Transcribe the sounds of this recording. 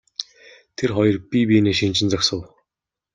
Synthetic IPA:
t̪ʰerχɔjɞ̆rpʲipiːneːʃint͡ɕɪ̆nt͡saksə̆w

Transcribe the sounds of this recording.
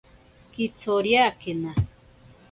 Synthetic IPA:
kit͡sʰoɾjakena

